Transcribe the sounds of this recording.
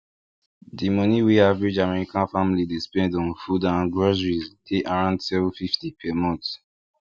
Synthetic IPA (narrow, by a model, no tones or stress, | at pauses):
dimɔniweavɹid͡ʒamɛɹikãnfamlidespɛ̃ndɔ̃nfudãɡɹɔzɹiztʰeʔaɹãʊ̃ndsɛvũfiftipʰɛmɔ̃t